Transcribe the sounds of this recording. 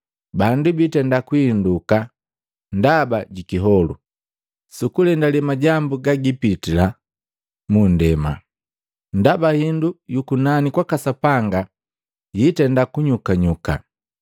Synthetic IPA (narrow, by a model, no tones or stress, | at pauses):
bandubitɛndakwuinduka | ndabaɟikiɦɔlṵ | sukulɛndalɛmaɟambuɡaɡipitila | mundɛma̰ | ndabahindujukunanikwakasapaŋɡa | jitɛndakuɲukaɲuka̰